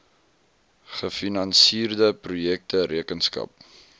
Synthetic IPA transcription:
χəfinɐnsiːrdəprujɛk̚təɾʔiəkənskɐ̰p̚

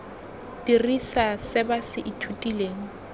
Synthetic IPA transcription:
dirisasɪbasɪʔitʰutʼileːŋ̩

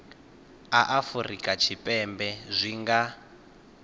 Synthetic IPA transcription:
aʔafurḭkʼat͡ʃʰipʼɛmbɛzʷiŋɡa

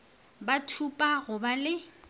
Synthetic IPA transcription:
batʰupʼaɣʊbalɪ

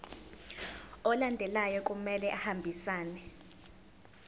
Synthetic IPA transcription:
ɔlandʱɛlajɔkʼumɛlɛʔahambʱisaːnɛ

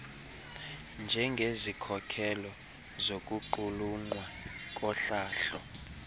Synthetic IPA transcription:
nd͡ʒʱɛŋɡʱezikʰɔkʰɛlɔ | zokʼuǃuluŋ͡ǃwakʼɔɬaːɬɔ

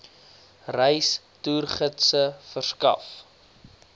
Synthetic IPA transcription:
rəjs | tuːrχətsəfərskɐ̰f

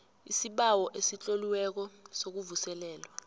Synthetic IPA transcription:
isiɓawɔʔesit͡ɬʼoliwɛk̬ɔsok̬uvusɛlɛːlwa

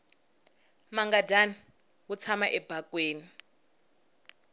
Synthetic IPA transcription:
maŋɡadani | wut͡sʰamaʔɛbʱakweːni

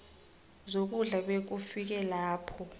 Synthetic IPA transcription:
zok̬ʼuɮaɓek̬ufik̬ɛlaːpʰɔ

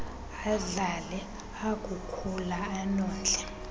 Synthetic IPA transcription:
aɮalɛ | akʼukʰulaanɔːnd͡ɮʱɛ

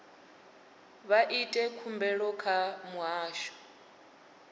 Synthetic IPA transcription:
βaʔitʼɛkʰumbɛɺɔkʰamuɦaːʃɔ̥

